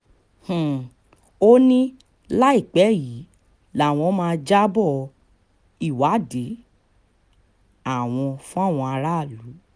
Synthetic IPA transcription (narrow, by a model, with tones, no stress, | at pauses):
h̩˨ | o˦nĩ˦ | la˦i˦˨k͡pɛ˨˦˨ji˨˦ | la˨˦˨w̃ɔ̃˧˦mãː˧d͡ʒa˦bɔ˦˨ | i˦˨wa˨˦de˨˦ | a˦˨w̃ɔ̃˧fũ˦a˦˨w̃ɔ̃˧a˧ɾa˦˨lu˨˦